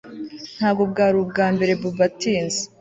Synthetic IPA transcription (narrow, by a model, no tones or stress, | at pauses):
n̥haːbɡob̚ɡaːɾubɡaːmbe̞ɾe̞bubatiːnze